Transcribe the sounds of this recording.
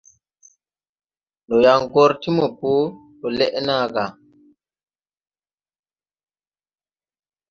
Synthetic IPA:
nɔ˨ja˨ŋɡɔ˦ɾti˦mɔ˨po˦tɔ˨lɛ˦ʔna˦˨ɡa˨

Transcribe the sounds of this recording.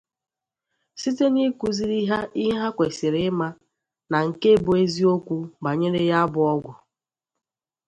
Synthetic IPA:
si˦te˦ni˦ku˦zi˦ɾi˦ɦa˦i˦ɦa˦kʷe˨sɪ˨ɾɪ˦ma˦ | na˨ŋ̩˨ke˦˨bʊ˨e˦zi˦o˦kʷu˦ba˨ɲe˦ɾe˦ja˦bʊ˦ɔ˦ɡʷʊ˨

